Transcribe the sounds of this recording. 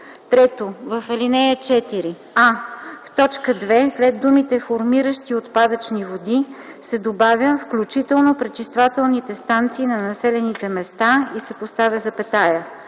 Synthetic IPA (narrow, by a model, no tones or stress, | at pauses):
t̪ɾɛt̪ovɐfɛlinɛjət͡ʃɛt̪iɾi | aft̪ɔt͡ʃkəd̪vɛslɛd̪d̪umit̪ɛfoɾmiɾəʃt̪iot̪pad̪ət͡ʃnivod̪i | sɛd̪obavʲjəfklʲut͡ʃit̪ɛlˠnopɾɛt͡ʃist̪vat̪ɛlˠnit̪ɛst̪ant̪siːnɐnɐsɛlɛnit̪ɛmɛst̪aisɛpost̪avʲəzɐpɛt̪ajə